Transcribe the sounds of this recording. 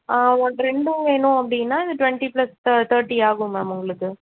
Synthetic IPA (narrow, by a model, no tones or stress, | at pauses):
aːɐɳɾɛɳɖɯŋeːnʊ̃ɐpːɐɽinːaːɪðɯʈʋɛɳʈiplɐst̪ʰɐːɾʈːiaːɣɯ̃mɐmʊŋɡɐɭɯkːɯ